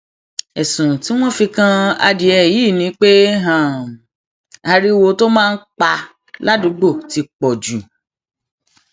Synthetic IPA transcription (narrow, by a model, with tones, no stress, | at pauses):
ɛ˨sũ˨ti˨˦w̃ɔ̃˦fi˧kã˦a̰˧di˧ɛ˨ji˨˦˨nĩ˨˦k͡pe˦ɦã˨ | a˧ɾi˦wo˧to˦mãː˦˧n̩˦k͡pa˧ | la˦dũ˨˧˦ɡ͡bo˦˨ti˧k͡pɔ˨d͡ʒu˨